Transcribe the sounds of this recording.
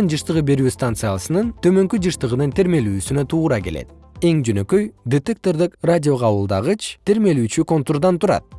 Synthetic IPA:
ɯnd͡ʒɯʃt̪ɯʁɯbe̞ɾyːst̪ant̪sɨjasɯnɯnt̪ʰø̞mø̞ŋkyd͡ʒɯʃt̪ɯʁɯnɯnt̪ʰeɾme̞lyːsynøt̪ʰuːɾɑke̞le̞̰t̪ | e̞ŋd͡ʒø̞nø̞kø̞jd̪et̪ek̚t̪o̞rd̪ikradʲio̞ʁʰɑβɯlˠd̪ɑʁɯt͡ʃt̪ʰeɾme̞lyːt͡ʃyko̞nt̪urd̪ɑnt̪uɾɑ̰t̪̚

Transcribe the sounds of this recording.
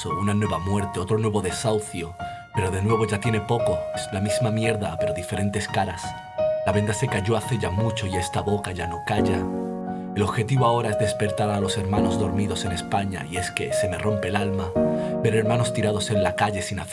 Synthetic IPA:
ounanwe̞βamwe̞ɾt̪eo̞t̪ɾonwe̞βo̞ðe̞sawθjo̞ | pe̞ɾo̞ð̞e̞nwe̞β̞o̞ʝat̪jene̞po̞ko̞eslamizmamje̞ɾðape̞ɾo̞ðife̞ɾẽ̞nt̪e̞skaɾas | laβe̞nd̪ase̞kaʝo̞aθe̞ʝamut͡ʃo̞ie̞st̪aβo̞kaʝano̞kaʝa | e̞lo̞βxe̞t̪iβoao̞ɾaezðe̞spe̞ɾt̪aɾalo̞se̞ɾmano̞zðo̞ɾmiðo̞se̞ne̞spaɲa̰ie̞ske̞se̞me̞ro̞mpe̞lalmabe̞ɾe̞ɾmãno̞st̪iɾað̞o̞se̞nlakaʎe̞sina

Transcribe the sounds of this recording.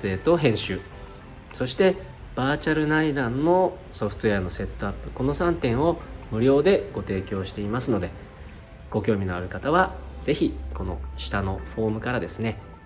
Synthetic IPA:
e̞ːt̪o̞ɦẽ̞ɰ̃ɕɨː | so̞ɕi̥t̪e̞ | b̥aːt͡ɕaɾɯ̟naid̪ãnːo̞ | so̞ɸɯ̟̥t̪oeano̞se̞t̪ːo̞apːɯ̟̥ko̞no̞sãnt̪ẽ̞ɰ̃o̞mɯ̟ɾʲo̞ːd̪e̞ɡ̥o̞t̪e̞ːkʲo̞ːɕi̥t̪e̞imasɨno̞d̪e̞ | ɡ̥o̞kʲo̞ːmʲinoaɾɯ̟kat̪aβ̞az̥e̞çiko̞no̞̰ɕi̥t̪ano̞ɸo̞ːmɯ̟kaɾad̪e̞sɨne̞

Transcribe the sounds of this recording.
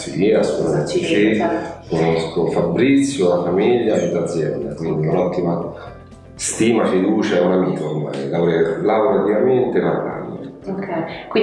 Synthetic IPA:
siliasunamɛt̪sot͡ʃikonoskofabːɾit̪sːjoafamiʎːaed̪ːad̪zːjɛ̰nd̪a̰kwind̪iunɔt̪ːima | st̪iːmafid̪uːt͡ʃaɛunamiːt̪oːrma̰jlaɾelawɾeat̪ːivament̪eparla̰lːḛ | kwi

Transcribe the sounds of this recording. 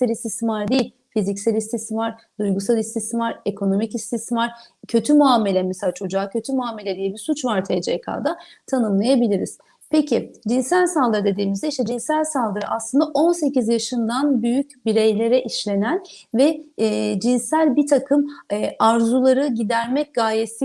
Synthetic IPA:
ælʲist̪ʰismaɾd̪ejilʲ | fizicsælʲist̪ʰismaɾ | d̪̥ujɡusalˠist̪ismaɾe̞kʰo̞no̞micist̪ʰismaɾ̥ | cʰø̞t̪ʰymuame̞lʲɛmeselʲaːt͡ʃʰo̞d͡ʒaːcʰø̞t̪ʰymuaːme̞lʲɛd̪ijɛbisut͡ʃvaɾt̪ʰed͡ʒiekʰa̰ːd̪at̪ʰanɯmlˠajabilʲiɾiz̥ | pʰecʰid͡ʒinsælʲsalˠd̪ɯɾɯd̪e̞d̪iːmizd̪ɛiʃt̪ʰɛd͡ʒinsælʲsalˠd̪ɯɾɯʔaslˠɯnd̪aʔo̞nse̞cizjaʃɯnd̪anbyjycbiɾe̞jlʲe̞ɾɛʔiʃlʲe̞nænvɛd͡ʒinsælʲbit̪ʰakʰɯmːʔaɾzulˠaɾɯɟid̪æɾmɛc̚ɡajesi

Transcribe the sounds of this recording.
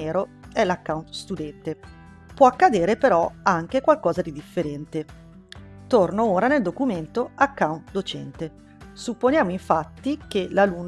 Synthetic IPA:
eːɾoɛlakːawnt̪st̪ud̪ɛnt̪e | pwɔakːad̪eːɾepeɾɔaŋk̟ekwalkɔːzad̪id̪ifːeɾɛnt̪e | t̪ornooːɾaneld̪okument̪oakːawnt̪d̪ot͡ʃɛ̰nt̪e | supːonjaːmoiɱfat̪ːik̟elalun

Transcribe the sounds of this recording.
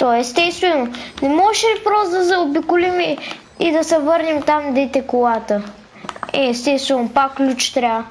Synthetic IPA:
t̪ɔɛst̪ɛst̪vɛnonɛmɔʃɛpɾɔsd̪ɐzɛobikʊlimi | id̪ɐsɛvɤɾnɛmt̪amd̪ɛt̪ɛkʊlˠat̪ə | ɛ̰ɛst̪ɛst̪vɛnopakːlʲut͡ʃt̪ɾʲa

